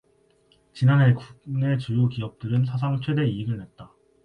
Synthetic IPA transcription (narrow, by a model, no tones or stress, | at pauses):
t͡ɕinanɦe̞kuk̚ne̞t͡ɕujokiʌp̚t͈ɯɾɯnsʰas̬ʰaŋt͡ɕʰwe̞de̞iːɡɯɭnet̚t͈a